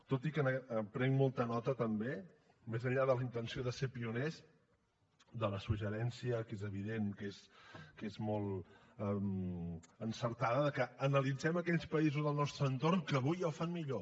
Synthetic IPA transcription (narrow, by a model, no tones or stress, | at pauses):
t̪ot̪ikənəpɾɛŋmɔlˠt̪ənɔt̪ət̪əmbe | mezəʎaðələint̪ənsioðəsepiunez | d̪ələsuʒəɾɛnsiəkezəβiðeŋkezkezmɔlˠ | əm | ənsəɾt̪aðəðəkəːnəlid͡zɛməkɛʎspəizuzðəlˠnɔst̪ɾəːnt̪orŋkəːβujəwfanmiʎo